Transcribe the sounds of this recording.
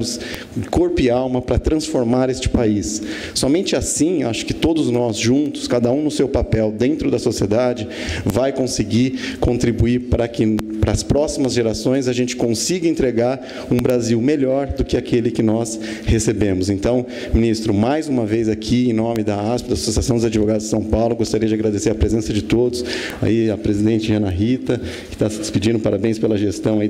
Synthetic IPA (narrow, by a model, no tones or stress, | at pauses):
ʊs | koɾpʊɪawmɐpɾɐt̪ɾɐ̃sfoɾmaɾest͡ʃɪ̥paisː | ɔmẽnt͡ʃɪasĩaʃʊ̥kɪ̥t̪od̪ʊznɔzʒũnt̪ʊ̥skad̪ɐũnʊsewpapɛwd̪ẽnt̪ɾʊd̪ɐsosied̪ad͡ʒɪ | vajkõsɪɡiɾkõnt̪ɾibuiɾpɾɐkɪpɾɐːspɾɔsimɐzʒeɾasõj̃zaʒẽnt͡ʃɪ̥kõsiɡɐẽnt̪ɾeɡaɾ | ũbɾaziwmeʎɔɾd̪ʊkɪakelɪkɪnɔs | hesebẽmʊzẽnt̪ɐ̃w̃ | mĩnist̪ɾʊmajzũmɐvejzakʰiẽj̃nõmɪd̪ɐaspɪd̪ɐasosasɐ̃w̃d̪ʊzad͡ʒɪvoɡad̪ʊzd͡ʒɪsɐ̃w̃pawlʊɡost̪aɾiɐd͡ʒɪaɡɾad̪eseɾɐpɾezẽsɐd͡ʒɪt̪od̪ʊs | a̰iɐpɾezid̪ẽnt͡ʃɪʒɐ̃nɐɦit̪ɐ | kɪ̥t̪asɪd̪ɪspid͡ʒĩnd̪ʊpaɾabẽj̃spelɐʒest̪ɐ̃w̃ai